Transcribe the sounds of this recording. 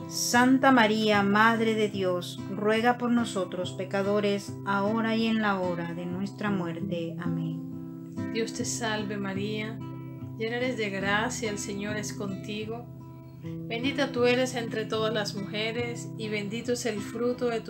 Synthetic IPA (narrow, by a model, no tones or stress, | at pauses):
sant̪amaɾiamaðɾe̞ðe̞ðjo̞s | rwe̞ɣapo̞ɾno̞so̞t̪ɾo̞spe̞kaðo̞ɾe̞s | ao̞ɾaje̞nlao̞ɾaðe̞nwe̞st̪ɾamwe̞ɾt̪e̞amẽn | d̪̥jo̞st̪esalβe̞maɾia | d͡ʒeneɾezðeɣɾasjaelseɲo̞ɾesko̞nt̪iɣo̞ | be̞nd̪it̪at̪ue̞ɾe̞se̞nt̪ɾe̞t̪o̞ðaslasmuxeɾesiβe̞nd̪it̪oeselfɾut̪oðet̪